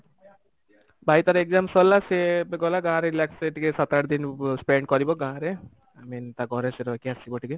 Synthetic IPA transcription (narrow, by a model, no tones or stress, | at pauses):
bajt̪aɾeɡ̚zamsɔlːasebɡɔlaɡãɾelakseʈikesat̪aɽd̪inspeɳɖ̚kɔɾibɔɡãɾe | amint̪aɡɔɾeseɾɔkiasibɔʈʰike